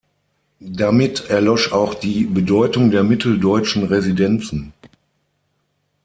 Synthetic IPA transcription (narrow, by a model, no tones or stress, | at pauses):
damɪtɛɐlɔʃaʊxd̥iːbədɔʏtʊŋdeːɐmɪtʰl̩dɔʏt͡ʃn̩ʁezidɛnt͡sn̩